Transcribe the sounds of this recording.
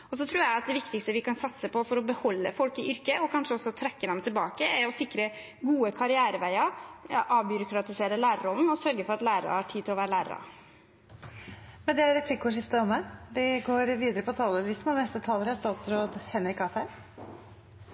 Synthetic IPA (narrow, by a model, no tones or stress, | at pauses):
ɔs̬ɔt̪ʰɾuːjæɪɑt̪̚d̪ɛʋɪkt̪ɪkst̪əʋɪkʰɑnsɑt̪səpʰɔfɔɾɔbəhɔlːə̰fɔlkɪʔʏɾkəʔɔkʰɑnʂəɔsːɔt̪ʰɾɛkːəd̪ɛmt̪ʰɪlbɑːkəæɾɔsɪkɾə | ɡuːəkʰɑɾɪæːɾəʋæɪɑɾʔɑːʋbʏɾʊkɾɑt̪ɪseːɾəlæːɾəɾɔlnɔsœɾɡəfɔɾɑt̪læːɾə̰hɑʈʰiːt̪ɪlɔʋæːɾəlæːɾə̰ɾɑ̰ | mɛnd̪ɛæɾɾɛpʰlɪkːʊʂ̬ɪft̪əɔmːæd̪ɪɡoːɾʋiːd̪əɾəpʰɔt̪ʰɑːləlɪst̪n̩ɑʋnɛst̪ət̪ʰɑːləɾæʂt̪ɑːt̪sɾoːd̪hɛnɾɪkːɑfə